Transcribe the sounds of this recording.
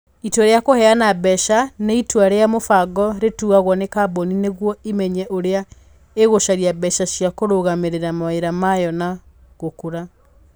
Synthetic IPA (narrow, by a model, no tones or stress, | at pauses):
itwaɾeakohɛanabɛʃaneitwaɾeamofaɡɔɾetuɣaɣwɔnekabɔnineɣwɔimɛɲɛʔoɾea | eɣoʃaɾiabɛʃaʃjakoɾoɣameɾeɾamaeɾamajɔnaɣokuɾa